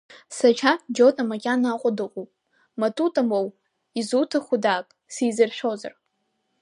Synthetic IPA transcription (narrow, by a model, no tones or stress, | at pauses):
sat͡ʃʰad͡ʒotʼamakʲʼanaqʷʼʊdɨqʼupʼ | matʰʼutʼamow | izutʰɨχʷʊdaːpʼsijzɨrʃʷᶣo̞za̰r